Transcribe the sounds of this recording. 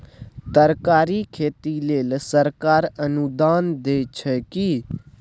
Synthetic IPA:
t̪əɾkaːɾiːkʰeːt̪ileːlsəɾkaːɾənud̪aːnd̪eːt͡ʃʰɛki

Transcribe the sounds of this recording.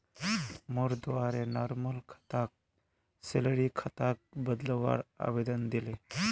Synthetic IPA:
mʊɾd̪aːɾenaːɾməlkʰə̥t̪aːk̚ | seləɾikʰɐt̪aːk̚bəd̪ləʋa̰ːɾa̰ːbed̪ənd̪ɪle

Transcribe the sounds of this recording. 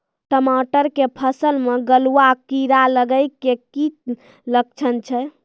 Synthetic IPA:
ʈəmaʈəɾkepʰəsəlmeɡəluakiɾaləɡəjkeki | lək̚t͡ʃʰənt͡ʃʰɛ

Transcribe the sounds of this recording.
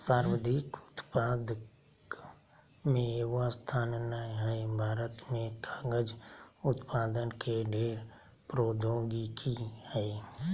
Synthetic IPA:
saːɾwəd̪ʱiːkʊt̪paːd̪ | mẽeast̪ʰaːnnaɦəebʱaːɾət̪mẽkaːɡəd͡ʒʊt̪paːd̪ənkeɖʱeːɾ | pɾoːd̪oːɡikʰihəe

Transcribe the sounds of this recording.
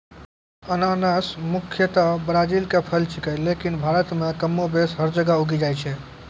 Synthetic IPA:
ənanəsmukʰjət̪əbɾad͡ʒilkepʰəlt͡ʃikəlekinbʱaɾət̪mekəmːobesɦəɾd͡ʒəɡauɡid͡ʒajt͡ʃʰɛ

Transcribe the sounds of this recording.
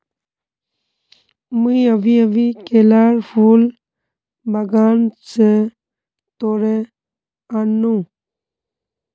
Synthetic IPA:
muɐʋiɐʋikelaːɾfuːl | baɡaːnse | t̪oːɾe | anːũ

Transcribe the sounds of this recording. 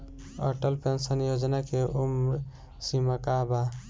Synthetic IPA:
ə̰ʈəlpensənjod͡ʒnakeʔumɾ | simakaba

